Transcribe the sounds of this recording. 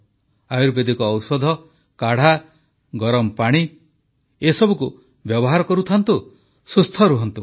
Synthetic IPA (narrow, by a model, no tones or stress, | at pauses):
ajuɾbed̪ikɔːwsɔd̪ʱɔ | kaɽ̤a | ɡɔɾɔmɔpaɽ̃i | esɔbuku | bjɔbɔɦaɾɔkɔɾut̪ʰant̪u | sust̪ʰɔɾuɦɔnt̪u